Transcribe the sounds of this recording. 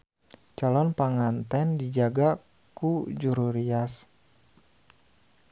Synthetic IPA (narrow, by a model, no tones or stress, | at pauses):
t͡ʃalɔnpaŋant̪ɛndid͡ʒaɡa | kud͡ʒuɾuɾias